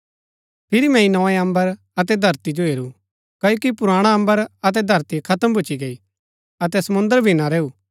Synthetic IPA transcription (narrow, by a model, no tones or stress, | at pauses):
pʰɪɾimɛ̃ĩnɔ̃ɛɐ̃mbəɾ | ɐt̪̬ɛd̪ʱɐɾt̪id͡ʒoɦeːɾu | kɐjoːkipʊɾaːɽ̃aɐ̃mbəɾɐt̪̬ɛd̪ʱɐɾt̪ikʰɐt̪əmbʱʊt͡ʃiɡɐi | ɐt̪ɛsɐmʊ̃nd̪əɾbʱinaɾeːuː